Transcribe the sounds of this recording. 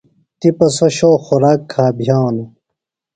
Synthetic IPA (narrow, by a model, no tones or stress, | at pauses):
t̪ipɐsoɕoːxuɾaːkʰːaːbʱjaːwnu